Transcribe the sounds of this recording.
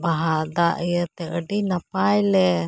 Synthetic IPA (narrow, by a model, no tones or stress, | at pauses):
baɦad̪aʔəjət̪ɛəɖinapajlɛ